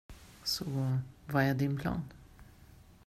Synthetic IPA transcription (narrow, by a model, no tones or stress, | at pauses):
sɔvaɛɖ̪ɪnpʰlɑ̰ːn